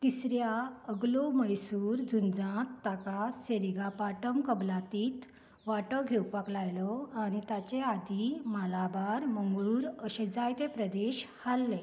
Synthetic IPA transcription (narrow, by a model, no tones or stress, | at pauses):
t̪isɾjaəɡloməjsuːɾd͡zund͡zãt̪ːakaseɾiɡapaʈəmkəblat̪iːt̪ | ʋaʈəɡʱewpaklajlɔañit̪at͡ɕead̪imalabaɾməŋɡɭuːɾəɕed͡zajt̪epɾəd̪eɕhalːe